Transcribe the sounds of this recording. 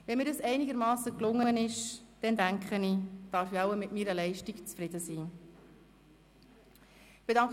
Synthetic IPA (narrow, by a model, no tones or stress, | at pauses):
vɛnmiːɾdəsɛɪnɪɡəɾmɑːsəklʊŋːəənɪʃd̥ɛndæŋkχənid̥ɑɾfiɑwəmɪtmiːɾəlɛɪʃtikt͡sfɾɪd̥əsiː | b̥edɑŋk